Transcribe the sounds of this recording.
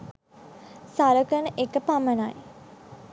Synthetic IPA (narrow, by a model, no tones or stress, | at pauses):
saɾəkənəʔekəpamənaj